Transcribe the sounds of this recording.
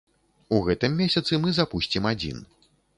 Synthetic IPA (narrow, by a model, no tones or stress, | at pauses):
uɣɛt̪ɨmːʲesʲɐt̪sɨmɨzapusʲt͡sʲimad͡zʲḭn